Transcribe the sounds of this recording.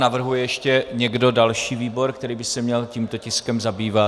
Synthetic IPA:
navr̩ɦujɛjɛʃcɛɲɛɡdo̞dalʃiːviːbo̞ɾkt̪ɛɾiːbɪsɛmɲɛlciːmt̪o̞cɪskɛmzabiːva

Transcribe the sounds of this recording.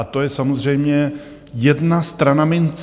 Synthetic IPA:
at̪o̞jɛsamozr̝ɛjmɲɛ | jɛdnast̪ɾanamɪnt͡s

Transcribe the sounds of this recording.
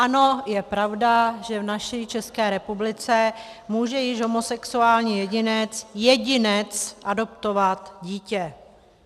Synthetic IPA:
ʔano̞jɛpɾavdaʒɛvnaʃit͡ʃɛskɛːɾɛpublɪt͡sɛ | muːʒɛjɪʒɦomosɛksuaːlɲiːjɛɟɪnɛt͡sjɛɟɪnɛt͡sʔado̞pt̪ovat̪ɟiːcɛ

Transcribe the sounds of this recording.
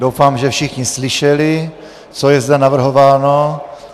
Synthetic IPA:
dowfaːmʒɛfʃɪxɲɪslɪʃɛlɪ | t͡sojɛzd̪ɛnavr̩ɦovaːno

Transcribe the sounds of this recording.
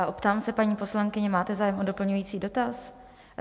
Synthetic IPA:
aʔopt̪aːmsɛpaɲiːpo̞slaŋkɪɲɛmaːt̪ɛzaːjɛmʔo̞do̞pl̩ɲujiːt͡siːdo̞t̪as

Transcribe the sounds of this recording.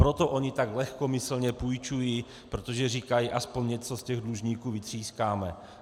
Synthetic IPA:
pɾo̞t̪o̞ʔo̞ɲɪt̪aɡlɛxkomɪsl̩ɲɛpujt͡ʃujiː | pɾo̞t̪o̞ʒɛriːkajiʔaspo̞ɲɲɛt͡so̞scɛɣdluʒɲiːkuːvɪt̪r̝̥iːskaːmɛ

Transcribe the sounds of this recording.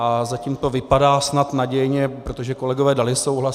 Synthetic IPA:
ʔazacimt̪o̞vɪpadaːsnat̪naɟɛjɲɛpɾo̞t̪o̞ʒɛko̞lɛɡovɛːdalɪso̞wɦla

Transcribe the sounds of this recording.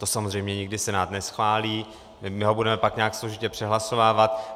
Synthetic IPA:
t̪o̞samozrɛjmɲɛɲɪɡdɪsɛnaːt̪nɛsxvaːliː | mɪmɪɦo̞budɛmɛpakɲakslo̞ʒɪcɛpr̥ɛɦlaso̞vaːvat̪

